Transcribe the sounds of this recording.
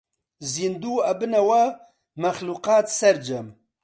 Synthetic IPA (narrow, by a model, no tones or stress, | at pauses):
zind̪uːɐbɨnɐwa | mɐxluqɑːt̪sɛɾd͡ʒɐm